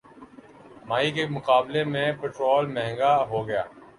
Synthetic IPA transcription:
maːikemʊqaːblemẽpeːʈɾoːlmɛ̃ɦŋɡaɦoːɡɐja̰ː

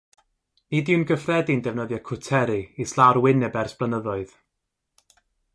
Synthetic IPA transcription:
nidiwnɡəfrɛdindɛvnəðjakʰʊtʰɛɾiislaɾwɪnɛbɛrsb̥lˠənəðɔɨð̥

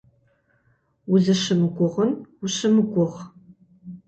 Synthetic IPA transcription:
ʊzɨʃɨmɨɡʷʼʊʁənʊʃɨmɨɡʷʼʊʁ

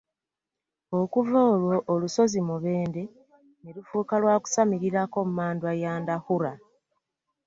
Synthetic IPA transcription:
o̞kuvoːlwo̞ʔːluso̞zimuβe̞ːnde̞ | nelufuːkalwaːku̥samiɾiɾako̞mumaːndwajaːndahuɾa

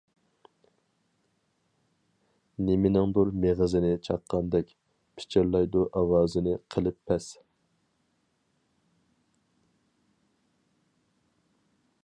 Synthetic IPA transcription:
nemɪnɪŋd̪uɾmeʁəzɪnɪt͡ʃʰɑqːɑnd̪ɛkʲ | pʰɪ̥t͡ʃʰɪɾlˠɑjd̪uʔɑwɑːzɪnɪqʰəlˠɪpʰːɛs

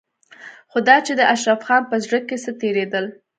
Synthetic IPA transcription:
xod̪ɑt͡ʃed̪əʔaʃɾafxɑnpəzɽəkːesət̪eɾed̪əl

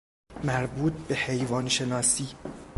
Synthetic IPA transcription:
mæɾbuːt̪̚ʰbe̞he̞jvɒːnʃe̞nɒːsiː

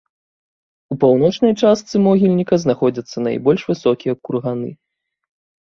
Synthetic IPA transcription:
upawnɔt͡ʂnɐjt͡ʂast̪sɨmɔɣʲilʲnʲikɐznaxɔd͡zʲɐt̪sːɐna̰jbɔlʲʂvɨsɔkʲijɐkurɣanɨ̰

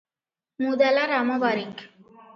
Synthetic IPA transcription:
mud̪alaɾamaʋaɾik

